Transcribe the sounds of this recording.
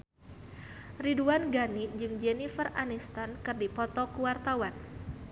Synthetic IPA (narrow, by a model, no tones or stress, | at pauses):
riduanɡanid͡ʒɨŋd͡ʒɛnifəranist̪ankɨrdipɔt̪ɔkuwart̪awan